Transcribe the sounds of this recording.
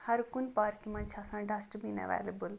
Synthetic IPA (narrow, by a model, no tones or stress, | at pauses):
hɐɾkunpaːɾkimɐnt͡ʃʰasãːɖɐsʈbinɐ̰ʋḛːləbəl